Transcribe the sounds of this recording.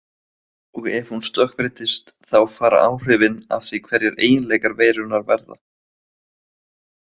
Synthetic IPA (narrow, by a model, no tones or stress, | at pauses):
ɔɣɛv̥hunst̪œhkpɾɪt̪ɪst̪θawfaːɾa̰ʔaːwr̥ʏːvɪna̰fθikʰvɛɾjɛɾeːjɪnleːjkaɾveːjɾʏnaɾvɛ̰ɾða̰